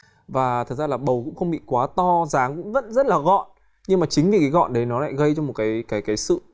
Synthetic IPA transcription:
vaː˨˩t̪ʰə˨˩zaː˧laː˨˩ɓə˨˩wkʊ̰˧˥ŋ͡mxə˧wŋ͡mɓḭ˧˨kwaː˨˦t̪ɔ˧zaː˨˦ŋkʊ̰˧˥ŋ͡mzə̰˧˥nzə˦˥t̚laː˨˩ɣɔ̰˧˨n | ɲɨ˧ŋmaː˨˩t͡ɕï˨˦ŋ̟vi˨˩kaː˨˦jɣɔ̰˧˨nɗə˨˦jnɔ˨˦la̰ː˧˨jɣə˧jt͡ɕɔ˧ŋ͡mmo˨˩t̚kaː˨˦jkaː˨˦jkaː˨˦jsɨ̰˧˨

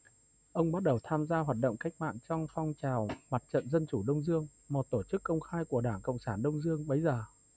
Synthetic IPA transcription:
ʔə˧wŋ͡mɓa˦˥t̚ɗə˨˩wt̪ʰaː˧mzaː˧ɦwaː˨˩t̚ɗə̰˧˨wŋ͡mka˦˥k̟̚ma̰ː˧˨nt͡ɕɔ˧wŋ͡mfɔ˧wŋ͡mt͡ɕaː˨˩wma˨˩t̚t͡ɕə̰˧˨nzə˧nt͡ɕu˧˩ɗə˧wŋ͡mzɨ˧əŋmo˨˩t̚t̪o˧˩t͡ɕɨ˦˥kːə˧wŋ͡mxaː˧jku˧˩əɗaː˧˩ŋkə̰˧˨wŋ͡msaː˧˩nɗə˧wŋ͡mzɨ˧əŋɓə˨˦jzəː˨˩

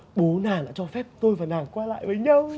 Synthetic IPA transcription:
ɓo˨˦naː˨˩ɗa̰ː˧˥t͡ɕɔ˧fɛ˦˥p̚t̪o˧jvaː˨˩naː˨˩ŋkwaː˧la̰ː˧˨jvəː˨˦jɲə˧w

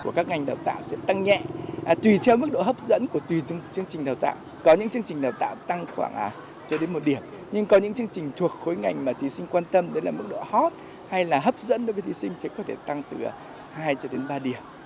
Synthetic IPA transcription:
ku˧˩əkaː˦˥k̚ŋa˨˩jŋɗa˨˩wt̪a̰ː˧˨wsɛ̰˧˥t̪a˧ŋɲɛ̰˧˨t̪wi˨˩t̪ʰɛ˧wmɨ˦˥k̚ɗo̰˧˨ɦə˦˥p̚zə̰˧˥nku˧˩ət̪wi˨˩˧t͡ɕɨ˧əŋt͡ɕï˨˩ŋ̟ɗaː˨˩wt̪a̰ː˧˨w | kɔ˨˦ɲɨ̰˧˥ŋt͡ɕɨ˧əŋt͡ɕi˨˩ŋɗaː˨˩wt̪a̰ː˧˨wt̪a˧ŋxwaː˧˩ŋʔa˨˩ | t͡ɕɔ˧ɗe˨˦nmo˨t̚ɗi˧˩əm | ɲɨ˧ŋkɔ˨˦ɲɨ̰˧˥ŋt͡ɕɨ˧əŋt͡ɕï˨˩ŋ̟t̪ʰu˨˩ək̚xo˨˦jŋa˨˩jŋ̟maː˨˩t̪ʰi˨˦sï˧ŋ̟kwaː˧nt̪ə˧mɗlaː˨˩m˦˥k̚ɗo̰˧˨hɔ˦˥t̚ | ha˧jlaː˨˩ɦə˦˥p̚zə̰˧˥nɗo˨˦vəː˨˧˩jt̪i˨˦sï˧ŋ̟t̪ʰe˨˦kɔ˨˦t̪ʰe˧˩t̪a˧ŋt̪ɨ̰˨˩˨ | haː˧jt͡ɕɔ˧ɗe˨˦nɓaː˧ɗi˧˩əm

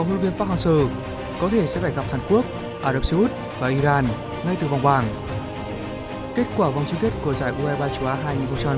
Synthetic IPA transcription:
a˨˧˦ho˧nvi˧ənfaː˦˥t̚haː˧ŋsəː˧˩ | kɔ˨˦t̪ʰe˧˩sɛ̰˧˥faː˧˩jɣa˨˩p̚haː˨˩nku˦˥ək̚ | ʔaː˧ɾə˨˧˩p̚sə˧ʔu˦˥t̚ | vaː˨˩ʔi˧zaː˧n | ŋa˧jt̪ɨ˨˩va˨˩wŋ͡mɓaː˨˩ŋ | ke˦˥t̚kwaː˧˩va˨wŋ͡mt͡ɕi˧˦ŋke˦˥t̚ku˧˩əzaː˧˩jʔu˧aː˧ɓaː˧t͡ɕu˨˧˦ʔaː˨˦ɦaː˧jŋi˨˩˨nxŋ͡mt͡ɕa˧ha˧

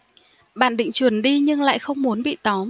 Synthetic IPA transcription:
ɓa̰ː˧˨nɗḭ̈˧˨ŋ̟t͡ɕwənɗi˧ɲɨ˧ŋla̰ː˧˨jxə˧wŋ͡mmu˨˦ənɓḭ˧˨t̪ɔ˨˦m

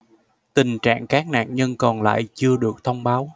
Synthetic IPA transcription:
t̪ï˨˩ŋt͡ɕa̰ː˧˨ŋkaː˨˦˥k̚na̰ː˧˨nɲə˧nkɔ˨˩nla̰ː˧˨jt͡ɕɨ˧əɗɨ˨˩ək̚t̪ʰə˧wŋ͡mɓaː˨˦w

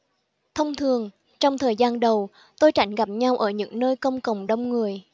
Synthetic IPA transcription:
t̪ʰə˧wŋ͡mt̪ʰɨ˨˩əŋ | t͡ɕɔ˧wŋ͡mt̪ʰəː˨˩jzaː˧nɗə˨˩w | t̪o˧jt͡ɕa˧˥jŋ̟ɣa˨˩p̚ɲa˧wʔəː˧˩ɲɨ̰˧˥ŋnəː˧jkə˧wŋ͡mkə˨˩wŋ͡mɗə˧wŋ͡mŋɨ˨˩əj

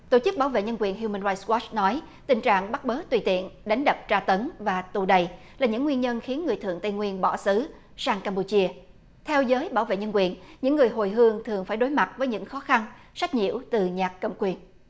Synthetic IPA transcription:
t̪o̰˧˩t͡ɕɨ˦˥k̚ɓaː˧˩wvḛ˧˨ɲə˧nkwi˨˩ənɦju˧məː˧nza˧jswɔ˦˥t͡ɕnɔ˨˦j | t̪ï˨˩ŋt͡ɕa̰ː˧˨ŋɓa˦˥k̚ɓəː˨˦t̪wi˧˩t̪ḭ˧˨ənɗa˨˦jŋ̟ɗə˨˩p̚t͡ɕaː˧t̪ə˨˦nvaː˨˩t̪u˨˩ɗə˨˩j | laː˨˩ɲɨ̰˧˥ŋːwi˧ənɲə˧nxi˨˦ənŋɨ˨˩əjt̪ɨ̰˧˨əŋt̪ə˧jŋwi˧ənɓɔ˧˩sɨ˨˦ | saː˧ŋkaː˧mpu˧t͡ɕi˧ə | t̪ʰɛ˧wzəː˨˦jɓaː˧˩wvḛ˧˨ɲə˧nkwi˨˩ənɲɨ̰˧˥ŋːɨ˨˩əjɦo˨˩jɦɨ˧əŋt̪ʰɨ˨˩əŋfaː˧˩jɗo˨˦jma˨˩t̚vəː˨˦jɲɨ̰˧˥ŋxɔ˨˦xa˧n | sa˦˥jk̚ɲḭ˧˨əwt̪ɨ˨˩ɲaː˨˩kkə̰˧˨mŋ͡mkwi˨˩ən

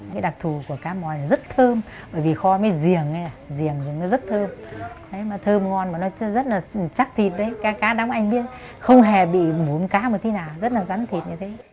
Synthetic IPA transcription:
kaː˨˦jɗa˨˩k̚t̪ʰu˨˩ku˧˩əkaː˨˦mɔ˨˩jnɔ˨˦zə˦˥t̚t̪ʰəː˧m | ɓəː˧˩jvi˨˩xɔ˧maː˨˦jzi˨˩əŋə˧˨˦jaː˨˩zi˨˩əŋzɨ˨˩əŋnɔ˨˦zə˦˥t̚t̪ʰəː˧mɗə˨˦jmaː˨˩t̪ʰəː˧mŋɔ˧nmaː˨˩nɔ˨˦zə˦˥t̚laː˨˩˨t͡ɕa˦˥k̚t̪ʰi˨˩t̚ɗə˨˦jkaː˨˦kaː˨˦ɗa˨˦wʔa˧jŋ̟ɓi˦˥ət̚ | xə˧wŋ͡mɦe˨˩ɓḭ˧˨mu˨˧˩nkaː˨˦mo˨˩t̚t̪ʰnaː˨˩wzə˦˥t̚laː˨˩za˨˦nt̪ʰi˨˩t̚ɲɨ˧t̪ʰe˨˦

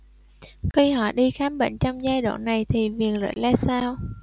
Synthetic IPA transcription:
xi˧hɔ̰˧˨ɗi˧xaː˨˦mɓḛ˧˨ŋ̟t͡ɕɔ˧wŋ͡mzaː˧jɗa̰ː˧˨nna˨˩jt̪ʰi˨˩vi˨˩ənlə̰ː˧˨jlaː˧saː˧w

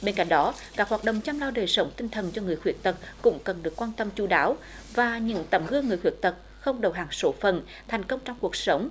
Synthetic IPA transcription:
ɓe˧nka̰˧˥jŋ̟ɗɔ˨˦kaː˦˥k̚hwaː˨˩t̚ɗə̰˧˨wŋ͡mt͡ɕa˧mlaː˧wɗəː˨˩jsə˨˦wŋ͡mt̪ï˧ŋ̟t̪ʰə˨˩nt͡ɕɔ˧ŋɨ˨˩əjxwi˧˩ək̚t̪ə˨˩k̚kʊ̰˧˥ŋ͡mkə˨˩nɗɨ˨˩əkːwaː˧nt̪ə˧mt͡ɕu˧˩ɗaː˨˦w | vaː˨˩ɲɨ̰˧˥ŋt̪ə˨˩mɣɨ˧əŋːɨ˨˩əjxwi˧˩ək̚t̪ə˨˩k̚ | xə˧wŋ͡mɗə˨˩wɦaː˨˩ŋso˨˦fə˨˩n | t̪ʰɛ˨˩jŋ̟kə˧wŋ͡mt͡ɕɔ˧wŋ͡mku˨˩ək̚sə˨˦wŋ͡m

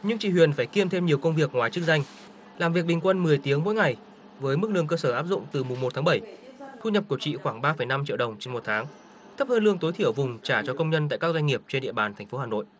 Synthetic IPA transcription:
ɲɨ˧ŋt͡ɕḭ˧˨hwi˨˩ənfaː˧˩jki˧əmt̪ʰe˧mɲi˨˩əwkə˧wŋ͡mvi˨˩ək̚ŋwaː˨˩jt͡ɕɨ˦˥k̚za˧ŋ̟ | laː˨˩mvi˨˩ək̚ɓï˨˩ŋ̟kwə˧nmɨ˨˩əjt̪i˨˦əŋmo̰˧˥jŋa˨˩j | vəː˨˦jmɨ˦˥k̚lɨ˧əŋkəː˧səː˧˩ʔaː˦˥p̚zʊ̰˧˨ŋ͡mt̪ɨ˨˩mʊ˨˩ŋ͡mmo˨˩t̪̚ʰːɓə˧˩jt̪ʰu˧ɲə˨˩p̚ku˧˩ət͡ɕḭ˧˨xwaː˧˩ŋɓaː˧fə˧˩jna˧mt͡ɕḭ˧˨wɗə˨˩wŋ͡mt͡ɕe˧nmo˨˩t̪ʰaː˨˦ŋ | t̪ʰə˦˥p̚həː˧nlɨ˧əŋt̪o˨˦jt̪ʰi˧˩əwvʊ˨˩ŋ͡mt͡ɕaː˧˩t͡ɕɔ˧kə˧wŋ͡mɲə˧nt̪a̰ː˧˨jkaː˦˥k̚zwa˧jŋ̟ŋi˨˩əp̚t͡ɕe˧nɗḭ˧əɓaː˨˩nt̪ʰɛ˨˩ŋ̟fo˨˦aː˨˩no̰˧˨jʔ

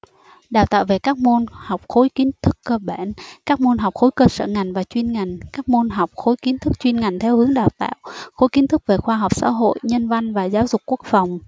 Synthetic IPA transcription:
ɗaː˨˩wt̪a̰ː˧˨wve˨˩kaː˦˥k̚mo˧nha˨˩wk͡p̚xo˨˦jki˨˦nt̪ʰɨ˦˥kːəː˧ɓa˧˩nkaː˦˥k̚mo˧nɦa˨˩wk͡p̚xo˨˦jkəː˧sə̰ː˧˨ŋa˨˩jŋ̟vaː˨˩t͡ɕwi˧nŋa˨˩jŋ̟kaː˦˥k̚mo˧nɦa˨˩wk͡p̚xo˨˦jki˨˦nt̪ʰɨ˦˥k̚t͡ɕwi˧nŋa˨˩jŋ̟t̪ʰɛ˧whɨ˨˦əŋɗaː˨˩wt̪a̰ː˧˨wxo˨˦jki˨˦nt̪ʰɨ˦˥k̚ve˨˩xwaː˧ɦa˨˩wk͡p̚sa̰ː˧˥ɦo̰˧˨jɲə˧nva˧jŋ̟vaː˨˩zaː˨˦wzʊ˨˩k͡p̚kːu˦˥ək̚fa˨˩wŋ͡m

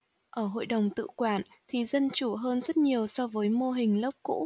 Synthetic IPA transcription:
ʔəː˧˩ɦo̰˧˨jɗə˨˩wŋ͡mt̪ɨ̰˧˨kwaː˧˩n | t̪ʰi˨˩˦zə˧nt͡ɕu˧˩ɦəː˧nzə˦˥t̚ɲi˨˩əwsɔ˧vəː˨˦jmo˧ɦï˨˩ŋ̟lə˦˥p̚kṵ˧˥

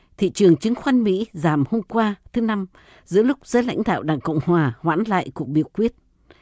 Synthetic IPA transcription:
t̪ʰḭ˧˨t͡ɕɨ˨˩əŋt͡ɕɨ˨˦ŋ̟xwa˧nmḭ˧˥zaː˨˩mho˧mkwaː˧t̪ʰɨ˨˦na˧m | zɨ̰˧˥əlʊ˦˥k͡p̚zəː˨˦jla̰˧˥jŋ̟ɗa̰ː˧˨wɗaː˨˩ŋkə̰˧˨wŋ͡mhwaː˨˩hwaː˧˥nla̰ː˧˨jku˨˩ək̚ɓi˨˩əwkwi˦˥ət̚

